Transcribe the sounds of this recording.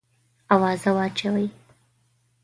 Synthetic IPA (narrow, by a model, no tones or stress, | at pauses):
awɑzawɑt͡ʃawəj